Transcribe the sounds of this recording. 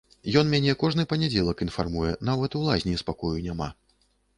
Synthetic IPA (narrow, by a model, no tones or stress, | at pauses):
jɔnmʲanʲɛkɔʐnɨpɐnʲad͡zʲɛlˠɐkinfarmujɛnawvɛt̪uwlˠazʲnʲispakɔjunʲama̰